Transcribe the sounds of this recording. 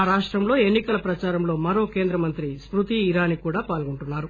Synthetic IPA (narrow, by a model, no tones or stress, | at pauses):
aːɾaːʂʈɾɐmlo̞ːe̞nːikɐlɐpɾɐt͡ʃaːɾɐmlo̞ːmɐɾo̞ːke̞ːnd̪ɾɐmɐnt̪ɾispɾut̪iːɾaːnikuːɽaːpaːlɡoɳʈunːaːɾu